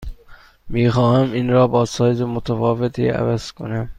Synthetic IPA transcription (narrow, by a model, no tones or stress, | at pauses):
miːxɒːhæminɾɒːbɒːsɒːjezemot̪ʰæfɒːvet̪ʰiːæ̰væz̥kʰonæm